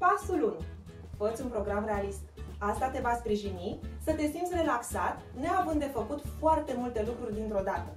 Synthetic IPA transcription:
pasulunʲ | fət̪sʲunpɾo̞ɡɾamre̞alist̪ast̪at̪e̞vaspɾiʒinisət̪e̞simt̪sʲre̞laksat̪ | ne̞avɨnd̪d̪e̞fəkut̪foart̪e̞mult̪e̞lukɾurʲd̪int̪ɾo̞d̪at̪ə

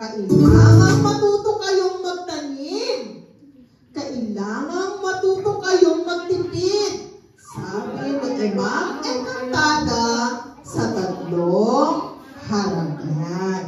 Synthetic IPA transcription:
kɐʔɪlaːŋɐŋmɐt̪uːt̪okːɐjoŋmɐɡ̚t̪ɐnɪn | kɐʔɪlaːŋɐŋmɐt̪uːt̪okɐjoŋmɐɡ̚t̪ɪpɪd̪̚ | saːbɪmɐɡɐmaŋʔɐjnɐŋt̪aːɡ̪ɐ | sɐt̪ɐt̪loŋhaɾɐŋan

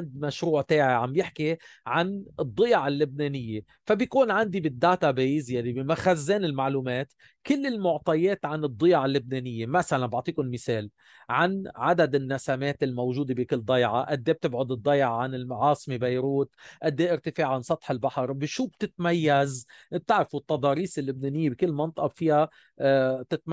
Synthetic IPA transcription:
nd̪maʃɾuːʕt̪eːʕiʕambjɪħkiʕanɨd̪ˤːɨjʕalːʊbneːnɪjːe | fabjkuːnʕand̪ibɪd̪ːaːt̪abiːzjalːibmaxazːeːnɪlmaʕluːmeːt̪ | kɪlːɪlmʊʕt̪ˤɑjeːt̪ʕanɨd̪ˤːɨjʕalːʊb̚neːnɪjːemasalanbɑʕt̪ˤiːkʊnmɪseːl | ʕanʕad̪ad̪ɪnːasameːt̪ɪlmowʒuːd̪ebɪkɪlːd̪ˤɑjʕaʔad̪ːeːb̚t̪ɪbʕʊd̪ɨd̪ˤːɑjʕaʕanɪlmʕɑːsˤɨmebajɾuːt̪ʔad̪ːeːʔɪɾt̪ɪfeːʕʕansˤɑt̪ˤħɪlbaħɑɾbɪʃuːb̚t̪ɪt̪majːazb̚t̪ɪʕɾafut̪ːɑd̪ˤɑːɾiːsɪlːʊb̚neːnɪjːebɪkɪlːmɑnt̪ˤɑʔɑbfiːha | t̪ɪt̪m

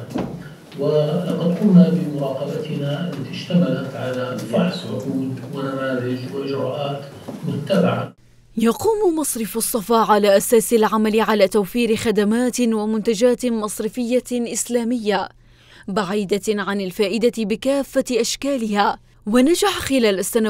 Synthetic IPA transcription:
wɪqɑd̪qʊmnabɪmʊɾˤɑːqɑbat̪ɪnaʔalːat̪iʃt̪amalat̪ʕalafɑħsʕʊ̰quːd̪wɪnamaːðɪd͡ʒwɪd͡ʒʊɾʊːʔaːt̪ | mʊt̪ːabɪʕa̰ | jɑquːmmɑsˤɾɪfɑsˤːɑfɑːʕalaːʔasaːsɪlʕamalɪʕalaːt̪awfiːɾɪxad̪amaːt̪wamʊnt̪ad͡ʒaːt̪mɑsˤɾɪfɪjːaʔɪslaːmɪjːa | baʕiːd̪aʕanɪlfaːʔɪd̪abɪkaːfːaʔaʃkaːlɪhaː | wanad͡ʒaħxɪlaːlast̪an

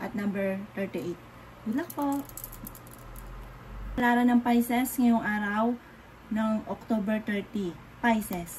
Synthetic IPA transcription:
ʔɐt̪̚nɐmbɛɹt̪ɛɹt̪iʔejt̪̚ | wʊlɐk̚po | pɐlaːɾɐnɐŋpajsɛsŋɐjoŋʔaːɾɐw | nɐŋʔok̚t̪obɛɹt̪ɛɹt̪i | pajsɛs

